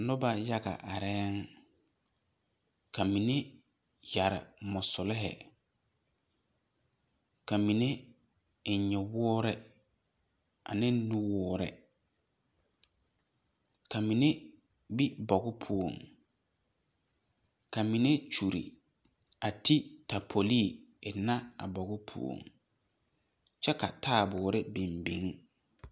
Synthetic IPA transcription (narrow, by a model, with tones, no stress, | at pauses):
nʊ˦ba˨ja˦ɡa̰˨ʔa˨ɾɛː˦ŋ | kʰa˨mi˨ne˦ | ja˨ɾɪ̰˨mɔ˨sʊ˨lɪ˦ɦɛ̰˨ | kʰa˨mi˨ne˦ | ɪ˨ɲɛ˨wɔː˦ɾɛ˦ | a̰˨nɪ̃˦n˦nũ˦wɔː˦ɾɛ̰˨ | kʰa˨mi˨ne˦ | bi˦bɔ˨ɡʊ˦pʰu˦o̰˨ŋ | ka˨mi˨ne˦t͡ʃu˨ɾḭ˨ | a˨tʰi˦tʰa˨pʰo˨li˦˨ | ɪ˨na˦a̰˨bɔ˨ɣʊ˦pʰṵ˦o̰˨ŋ | t͡ʃɛ˦ka˨tʰaː˦˨bʊ˨˦ɾɪ˦bi˨mbi˨˦ŋ˦